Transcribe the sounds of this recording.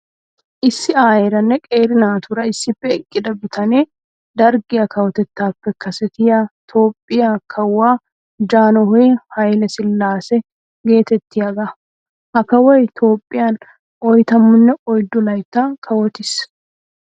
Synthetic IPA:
ʔɪsːɪaːjɛɾɐnːɛkʼe̞ːɾɪnaːt̪ʊɾɐɪsːɪfːɛːkʼːɪd̪ɐbɪt̪ʰɐneː | d̪ɐɾɡɪjɐkɐwɔt̪ɛt̪ːaːpːɛkɐsɛt̪ɪjat̪ʰo̞ːpʼːɪjakʰɐwːaː | d͡ʒaːnɔɦɔjhɐjlɛsɪlːaːsɛ | ɡe̞ːt̪ɛt̪ːɪjɐɡɐ | hɐkːɐwɔjt̪ʰo̞ːpʼːɪjan | ʔɔjt̪ɐmːʊnːɛɔjd̪ɔlɐjt̪ːaːkʰɐwɔt̪ɪs

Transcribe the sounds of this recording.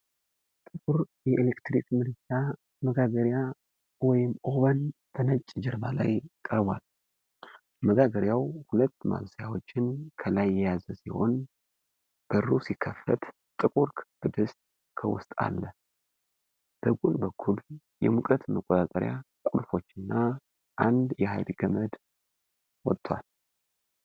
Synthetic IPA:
t̪ʼɨkʼuɾjɛʔelekt̪ɾikʼmɨɾt͡ʃʼa | məɡaɡəɾja | wɔjɪmʔo̞βənb̥ənət͡ʃʼːd͡ʒɛɾbala̰jkʼəɾbwal | məɡaɡəɾjawhulət̪ːma̰βsjawo̞t͡ʃːɪnkʰəlajːɛjazəsiho̞̰n | b̥ərːusikʰːəfət̪ | t̪ʼɨkʼuɾkʰʼb̥ɨd̪ɨst̪ | kʰə̰wʊ̰st̪ʼa̰lːə | b̥əɡʼulbəkʰːul | jɛ̰mukʼət̪məkʼot̪ʼat̪ʼəɾja̰ | kʼulfo̞t͡ʃːɨnːa | ʔand̪jɛha̰jɾiɡəməd̪ | wɔt̪ʼːwa̰l

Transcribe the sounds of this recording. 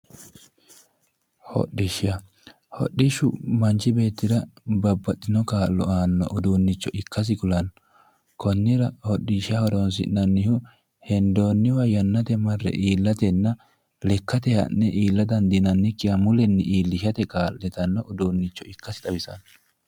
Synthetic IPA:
hɔ̰ɗːɪʃɪɐ | hɔ̰ɗːɪʃʊmɐnt͡ʃɪbe̞ːt̪ːɪd̪ɐbɐbːɐt̪ʼːɪnɔkaːlːɔaːnːɔ̰ʔʊd̪uːnːɪt͡ʃːɔʔɪkːɐs̬ɪkʊlɐn | kɔnːɪɾɐhɔɗɪʃɪɐhɔd̪ɔns̬ɪ̰nɐnːɪhʊ | hɛnd̪o̞ːnːɪwɐjɐnːɐt̪ɛmɐrːɛ̰ʔiːlːɐt̪ɛnːɐ | lɛkːɐt̪ɛhɐ̰nːɛʔiːlːɐd̪ɐnd̪ɪnɐnːɪkːɪjɐmʊlɛnːɛʔiːlːɪʃɐt̪ɛkaːlːɛt̪ɐnːɔʔʊd̪uːnːɪt͡ʃːɔɪkːɐsɪt̪ɐbɪsɐ̰n

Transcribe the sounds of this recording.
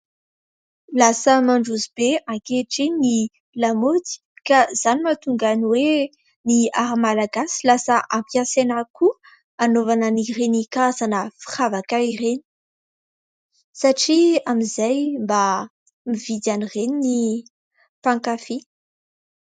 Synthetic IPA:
lasəmaɳɖ͡ʐuzibeaŋkeʈ͡ʂeni | lamot̪i̥kaz̥animat̪uŋɡaniwe | niaɾamalaɡasilasəʔampjasenaku | anovanənirenikazanəfi̥χavakaireni̥ | saʈ͡ʂiamizajmba | mivid̪anirenini | paŋkafi

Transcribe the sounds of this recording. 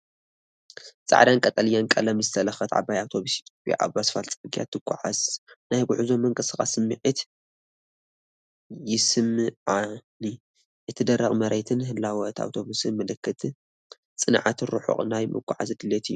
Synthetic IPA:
t͡sʼa̰ʕd̪ankʼɐt̪ʼɐlijankʼɐlɐmzɨt̪ʰɐlɐxɐt̪ʰʕa̰bajawt̪ʰo̞βusit̪ʰjopʼja̰ʔa̰βbasɨ̥falt͡sʼɨɨɡija̰t̪ʰːɨkʷʼːʊʕaznajɡuʕuzo̞mːɐŋkʼɨsɨxʼa̰sɨmːɨʕit̪ | jɪsɨmːɨʕani | ʔɨt̪ʰɨd̪ɐrɐɣʼmɐɾet̪ʰɨnɦɨlːawɐt̪ʰa̰wt̪ʰo̞βusɨmɨlɨkʰːɨt̪ʰʼ | t͡sʼɨnʕa̰t̪ʰɨɾuħṵχʼnajmʔɨ̰kʷʼːʊʕa̰zɨd̪ɨlːet̪ʰijːu

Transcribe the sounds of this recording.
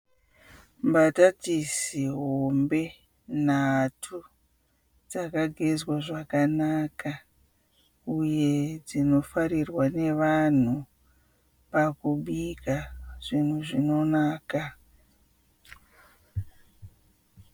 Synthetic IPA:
mbatatisiɦo̞mbe̞ | natʰu | d͡zakaɡʱezwaʐakanaka | uje̞d͡zino̞faɾirwane̞ʋan̤u | pakuɓikaʐ̥in̤uʐino̞naːka

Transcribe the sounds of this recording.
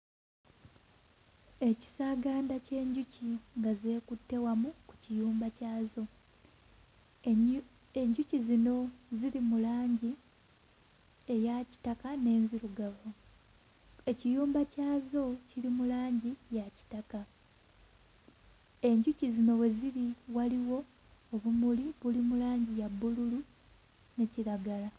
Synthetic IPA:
e̞ci̥saːɡaːndace̞ːɲɟuciŋɡaze̞ːkutːe̞wamuku̥cijuːmbacaːzo̞ | eɲɟucizino̞ziɾimulaːɲɟi | ejaci̥takane̞ːnziɾuɡaβo | e̞cijuːmbacaːzo̞ciɾimulaːɲɟijaci̥taka | eɲɟucizino̞we̞ziɾiwaliwo̞ː | βumuliβulimulaːɲɟijabːululu | ne̞ciɾaɡala

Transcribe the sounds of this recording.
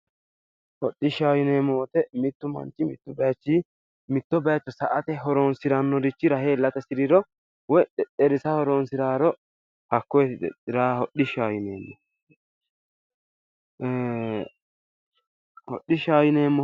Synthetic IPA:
hɔɗːɪʃaːjɪnemoːt̪ɛmɪt̪ːʊmɐ̰nt͡ʃːɪmɪt̪ːʊbɛjt͡ʃːi | mɪt̪ːɔbɐjɐt͡ʃːɔsɐʔɐt̪ɛɦɔɾoːnsɪɾɐnːɔd̪ɪt͡ʃːɪɾɐheːlːɐt̪ɛsɪɾɪɾɔ | wɔjᶑɛᶑɛɾɪsɐhɔɾoːnsɪɾaːɾɔ | hɐkːɔjd̪ɛ̰ɪɾaːhɔɗɪʃaːjɪneːmːɔ | hɔ̰ɗːɪʃaːjɪneːmːɔ

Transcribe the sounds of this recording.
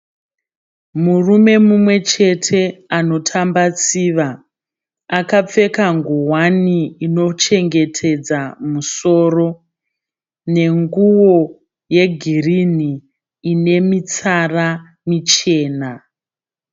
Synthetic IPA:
murume̞mumwe̞t͡ʃe̞tʰe̞ano̞tʰambat͡siːʋa | akap͡fe̞kaŋɡuwaniːno̞t͡ʃe̞ŋɡe̞tʰe̞d͡zamuso̞ːro̞ | ne̞ŋɡuwo̞ | je̞ɡʱiriniː | ne̞mit͡sara | mit͡ʃe̞ːna

